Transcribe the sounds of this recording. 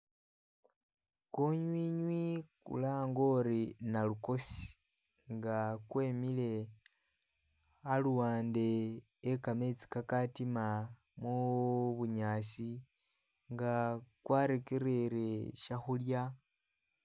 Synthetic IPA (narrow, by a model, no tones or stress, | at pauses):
koɲwiːɲwikṵlaːŋɡo̞ɾinaluko̞si̥ | ŋɡakweːmile̞ | aluwaːnde̞ː | kame̞t͡si̥kakatima | muβuɲaːsi | ŋɡakwaɾekeɾeɾeʃaxulja